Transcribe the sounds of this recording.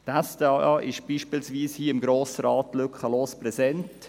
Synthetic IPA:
tæsd̥eɑʔɑːʔɪʃb̥iːʃpiːlsʋiːshiːɪmɡɾoːsəɾɑːtːlʏkχəloːspɾɛzɛnt

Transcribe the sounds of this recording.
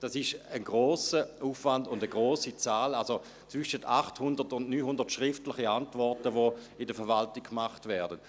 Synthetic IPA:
d̥asɪʃənɡʁoːsəuːfvandʊndəɡʁoːsit͡saːlalso | t͡svʏʃətʰaχthʊndətʊnnyːnhʊndɐtʃʁɪftlɪχiantvɔɐtəvo | ɪdəfɛɐvaltɪk̚kmaχtvɛːɐdən

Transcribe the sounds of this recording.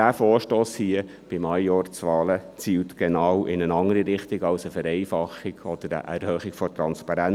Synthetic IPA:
dæːfoːɾʃtoːshiə | b̥ɪmɑjjɔːɾt͡sʋɑːlət͡siːwtɡ̥ɛnɑwʔɪnənɑŋəɾiɾɪχt̪ɪɡɑwsəfəɾɛɪfɑχɪɡ̥ɔd̥əɾə̰ʔɛ̰ɾhœːχɪɡ̥fɔtɾɑnspɑɾæn

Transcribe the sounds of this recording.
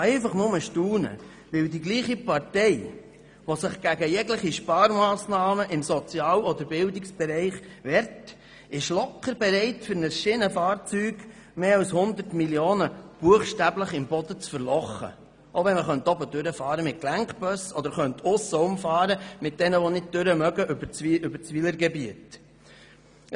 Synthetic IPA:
ɛɪfɑχnʊməʃtuːnə̰ | ʋɪwdiɡliːχipɑrtɛɪ | ʋosəχɡ̥æɡəjɛɡləχiʃpɑːɾmɑːsnɑːməʔɪmsɔt͡sjɑːlɔd̪əɾbɪldɪksb̥ɛɾɛɪχʋɛɾt | ɪʃlɔkːəɾbɛɾɛɪtfʏɾnəsʃɪnəfɑːɾt͡syːɡ | meːɑwshʊnd̪əɾtmiljoːnəb̥uəχʃtæbləχɪmbɔd̪ət͡sfəɾlɔχːə̰ | ʔoʋɛnməχœntɔbəd̪ʏɾəfɑːɾəmɪt̚klæŋkb̥œsɔd̪əɾχœnt̪ʰʊsːəʊmfɑːɾəmɪt̚d̥ɛnəʋonɪd̚d̥øɾəmœɡəʔbət͡sʉbəɾt͡sʋiləɾɡɛbiət

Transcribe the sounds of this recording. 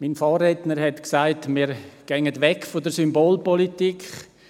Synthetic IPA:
minfɑːrɛtnəɾhɛtksaɪtmiːɾɡ̥ɛŋətʋɛkfodəɾsymboːlpɔlitikχ

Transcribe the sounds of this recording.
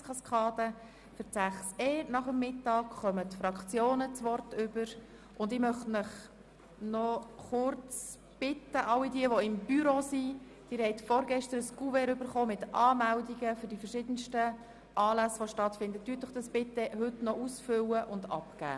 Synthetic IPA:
skʰɑskʰɑːdə | fəsæχseːnɑχəmːɪtːɑːkχœmət̪fɾɑkt͡sjoːnət͡sʋɔrtʏbəɾ | ʔʊndɪmœχtməχ | nɔχʊɾt͡s | b̥ɪtəʔɑlːidiəʋoɪmb̥yɾosi | d̥iːɾhɛɪtfɔɾɡɛʃtəɾəskuvɛɾʏbəɾχoːmɪtʔɑːmældiɡəfʏɾdifərʃɪːd̥ənʃtə | ʔɑːlæsʋoʃtɑtfɪndəttːyətd̥ɔχd̥ɑsb̥ɪtəɦʏtnɔʔusfʏwəʔʊndɑ̰pkæ̰ː

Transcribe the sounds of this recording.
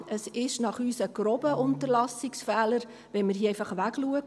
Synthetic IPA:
əsɪʃnɑχyːsəɡ̥ɾobəʔʊntəɾlɑsɪksfɛːləɾ | ʋɛnmərɦiːɛɪfɑχʋæɡluək

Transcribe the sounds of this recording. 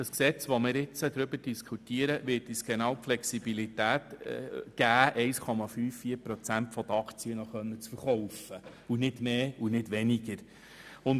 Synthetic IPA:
d̥əsksɛt͡sʋɔmɪːɾɪt͡səd̥̪ɾʏbəɾd̥iskʰutiəɾəʋɪːtisɡ̥enɑwpflɛksibilitæːtɡ̥æːʔɛɪskʰɔmɑfyːfːiːəɾpɾɔt͡sæntfɔd̥̪əɑkt͡siənɔχœnːət͡sfəɾχɔwfə | unɪdmeːunɪdʋɛniɡ̥əɾ | ʊn

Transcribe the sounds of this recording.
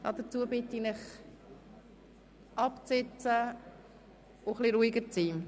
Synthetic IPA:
dɑ̰d̪ət͡suəbɪt̪ːinɪχ | ʔɑpt͡sɪt͡sə | ʊχliɾuiɡəɾt͡siː

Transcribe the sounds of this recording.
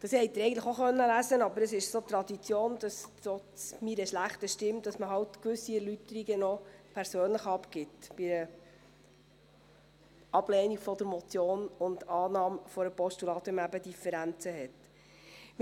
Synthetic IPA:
d̥ɑshɛjt̪ːɪɾɛɪɡən̩tləχoχœnːəlæsənɑbəɾəsɪʃsot̪ɾɑd̪it͡sjoːndɑsɾɔt͡smiɾəʃlæχtəʃtɪmtd̥ɑsməɦɑwtkʋʏsːiɛɾlytəɾiɡənɔpʰæɾsøːnləχɑpkɪtb̥iɾə | ɑb̥lɛniɡfɔdəɾmɔt͡sjoːnʊndɑːnɑːmfɔɾəpɔʃtulɑːt̪ɪmæbəd̥ifəɾænt͡səɦɛt | m

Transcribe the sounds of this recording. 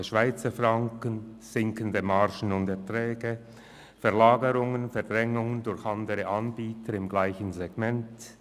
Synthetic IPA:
əʃv̥aɪt͡səfʁaŋkənz̥ɪŋkəndəmaʁʃənʊndɛtʁɛːɡə | fɛɐlaːɡəɾʊŋənfɛɐd̥ʁɛŋʊŋəndʊɾçɑndəɾəʔɑnbiːtʰəɾɪmɡlaɪçənzɛɡ̥mɛnt

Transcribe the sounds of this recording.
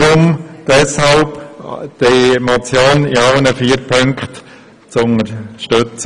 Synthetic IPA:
ɾʊmd̥ɛshɑlpd̥emat͡sjoːnɪɑʊnəfiːɾpʰɵŋkχt | t͡sʊnəɾʃtøt͡s

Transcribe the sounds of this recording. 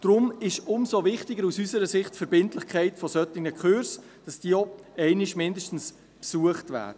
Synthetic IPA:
d̥ɾʊmɪʃʊmsovɪχtɪɡəɾusysəɾəsɪχtfɛɾbɪntlɪχkʰɛɪtfɔsœtɪɡŋəkχøɾs | d̥ɑsd̥iəɔɛɪnɪʃmɪndəʃtn̩s | psuəχtvæ̰ːdə

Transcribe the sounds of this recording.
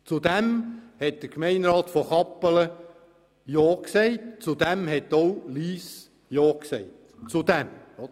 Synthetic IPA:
t͡sud̪ɛmhɛt̚d̪̥əkmɛɪnɾɑːt̪fɔχɑpːələ | joːksɛɪt̚t͡sud̪ɛmhɛtoʊliːs | joːksɛɪt | t͡sud̥̪ɛm

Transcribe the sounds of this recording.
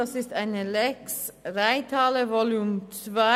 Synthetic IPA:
ɑsɪst̪æɪnəlɛksʁæɪt̪ʰɑːləvolʉːmt͡svæ

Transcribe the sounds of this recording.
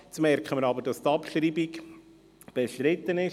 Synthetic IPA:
t͡smɛrkχəməɾɑbəɾdɑst̪ɑpʃɾiːbiɡ | b̥eʃtɾɪt̪ːənɪʃ

